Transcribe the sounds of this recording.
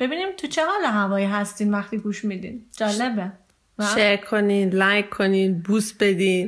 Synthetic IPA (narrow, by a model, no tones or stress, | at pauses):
b̥e̞biːniːmt̪ʰut͡ʃʰeɦɒːleɦævɒːjiːɦæst̪iːnvæxt̪iːɡuːʃmid̪ḭːnd͡ʒɒːlebe | væʃeɾkʰːoninlajkʰːoninbuːsbe̞d̪iːn